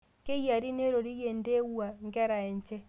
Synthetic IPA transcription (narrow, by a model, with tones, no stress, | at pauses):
ke˦ɣja˨ɾi˦ne˦ɾo˨ɾi˦ɣe˨nde˦ɣwa˨ŋɡɛ˦ɾa˨e˨ɲt͡ʃɛ˦